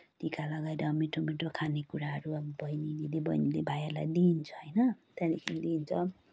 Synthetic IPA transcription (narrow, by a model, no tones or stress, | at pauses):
ʈikalʌɡaeɾʌmiʈʰomiʈʰokʰanekuɾaɦʌɾuʌbʌjnililebʌjnilebʱajalajd̪int͡sʰʌ̥ɦʌjnʌt̪alikʰinid̪iːnt͡sʰʌ